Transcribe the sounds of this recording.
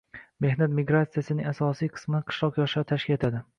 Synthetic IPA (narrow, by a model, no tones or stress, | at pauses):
me̞hnat̪mɪɡɾat̪sijasɪnɪŋasɒsijqʰɨ̥smɪnɪqʰɨ̥ʃlˠɒqjɒʃɪɾt̪ʰaʃkʲɪle̞t̪ʰad̪ɪ